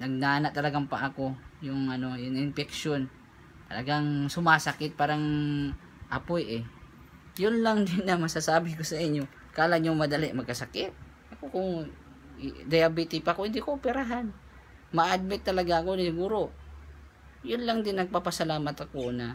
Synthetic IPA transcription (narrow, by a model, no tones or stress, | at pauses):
nɐɡ̚naːnaʔt̪ɐlɐɡaŋpɐʔɐko̞jʊŋʔɐno̞jʊŋʔɪnpɛk̚ʃon | t̪ɐlɐɡaŋsʊmaːsɐkɪt̪̚paːɾɐŋ | ʔɐpojʔɛ | jʊnlaŋd̪ɪnːɐmɐsasaːbɪkosɐʔɪɲːo̞ | kaːlaɲoŋmɐd̪ɐlɪʔmɐɡ̚kɐsɐkɪt̪̚ | ʔɐkokʊŋ | d̪ɐjabit̪ɪpako̞hɪnd̪ikoʔopɛɾaɦan | mɐaʔʔad̪̚mɪt̪ːɐlɐɡaʔɐko̞nasɪɡuːɾo̞ | jʊnlaŋd̪ɪnːɐɡ̚papɐsɐlaːmɐt̪ɐko̞nɐ